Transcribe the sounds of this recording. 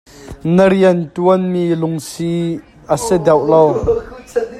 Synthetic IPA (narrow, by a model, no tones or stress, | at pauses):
nəɾiəntuənmiːlʊŋsi | ʔəsɛd̪ɛwʔlow